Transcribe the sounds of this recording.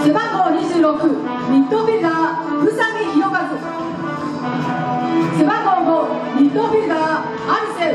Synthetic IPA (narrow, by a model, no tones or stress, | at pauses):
sebaɡoɲiʑɯːɾokɯ | mʲit̪ːobʲiɡa | ɯ̟samiçioɡazɯ | sebaɡoɡo | mʲit̪ːobʲiɡa | aɾʲise